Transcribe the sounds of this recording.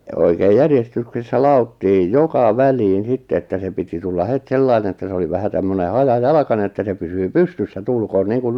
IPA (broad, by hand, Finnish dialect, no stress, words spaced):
oikeːj jærjestyksesːæ lɑotːiːj jokɑ ʋæliːn sitːe etːæ se piti tulːɑ het selːɑine etˑæ̆ se oli ʋæhæ tæmːøne hɑjɑjɑlɑ̆kɑne etːæ se pysyː pystysːæ tuːlkoːn niːŋkul